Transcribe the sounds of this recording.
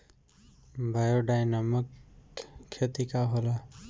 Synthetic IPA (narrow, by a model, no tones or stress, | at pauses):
bʱajoɖajnaməkʰː | et̪ikaɦola